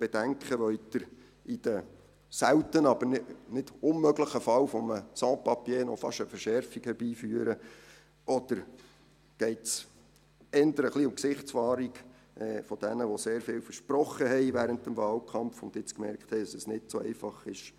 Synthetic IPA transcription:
b̥ɛd̥æŋkχəʋœʏtdɪɾ | id̥ə | sæwt̪ənɑbənnɪd̥ʊnmøɡləχəfɑlfɔməsɑ̃ːpɑpjeːnɔfɑ̰ʃəfəɾʃɛɾfikhɛɾb̥iːfyːəɾə | ʔɔd̥̪əɾ | ɡ̥ɛɪts | ɛnd̪əɾəχliʊmksɪχtt͡sfɑːɾik | ʔɛːfɔd̥ɛnəʋoseːɾfɪːwfəɾʃprɔχəɦɛɪʋæːɾəntəmvɑːlkʰɑmfʊnd̪ɪt͡skmɛɾkthɛɪd̥ɑsəsnɪtsoɛ̰ɪfɑχɪʃ

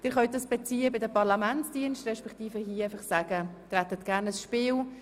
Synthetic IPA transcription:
d̥ɪːɾχœʏt̪̚d̥ɑsb̥ɛt͡siːəbɪdəpɑʁlamæntsd̥iːənʃtrɛʃpɛktiːfəhiəɛfɑχsaːɡ̥ətɾæt̪ət̪ɡ̥æːɾnəsʃpɪːl

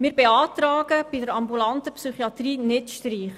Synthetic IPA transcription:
mɪːɾbeɑːtrɑːɡəb̥idəɾɑmbulɑntəpsyχiɑt̪riːnɪtʃtriːχ

